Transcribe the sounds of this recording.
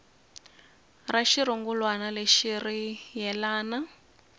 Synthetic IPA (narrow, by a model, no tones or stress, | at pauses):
raʃiɾuŋɡulwanaleʃirijɛlaːna